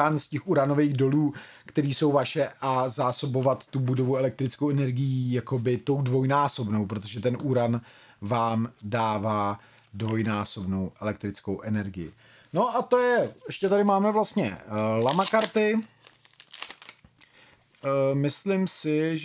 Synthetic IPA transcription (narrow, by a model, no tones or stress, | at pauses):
anscɛxuɾano̞veːɣdo̞luː | kt̪ɛɾiːso̞wvaʃɛʔazaːso̞bo̞vat̪ːubudo̞vuɛlɛk̚t̪ɾɪt͡skowʔɛnɛɾɡɪjijako̞bɪt̪o̞wdvo̞jnaːso̞bno̞wpɾo̞t̪o̞ʒɛt̪ɛnʔuɾanvaːmdaːvaː | dvo̞jnaːso̞bno̞wʔɛlɛkt̪ɾɪt͡skowʔɛnɛɾɡɪjɪ̰ | no̞ʔat̪ojɛʔɛʃcɛt̪adɪmaːmɛvlast̪ɲɛlamakaɾt̪ɪ | mɪslɪmsɪʒ